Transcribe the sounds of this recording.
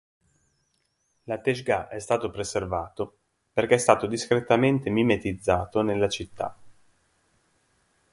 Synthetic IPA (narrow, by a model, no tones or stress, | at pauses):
lat̪eʃɡaʔɛst̪aːt̪opɾeservaːt̪o | perkeɛst̪aːt̪od̪iskɾet̪ːament̪emimet̪id̪zːaːt̪onelːat͡ʃit̪ːa̰